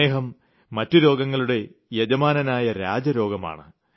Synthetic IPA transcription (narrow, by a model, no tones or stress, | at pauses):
eːɦɐmː | ɐtːuɾo̞ːɡɐŋːɐɭuɽe̞jed͡ʑɐmaːnɐnaːjɐɾa̰ːd͡ʑɐɾo̞ːɡɐma̰ːɳɨ